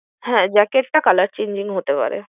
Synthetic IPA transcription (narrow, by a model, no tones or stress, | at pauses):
hɛ̃d͡ʑɛkeʈ̚ʈakalaɾt͡ɕeɲd͡ʑiŋɦot̪epa̰ɾḛ